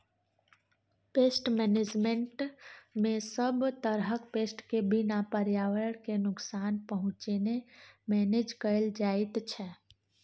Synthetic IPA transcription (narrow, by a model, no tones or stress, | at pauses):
pesʈmɛned͡ʒmeɳʈmẽsəbt̪əɾɦəkpeːsʈkebinapəɾjaʋəəɽkenʊksaːnpəɦʊ̃t͡ʃenemɛned͡ʒkəld͡ʒaɪt̪t͡ʃʰɛ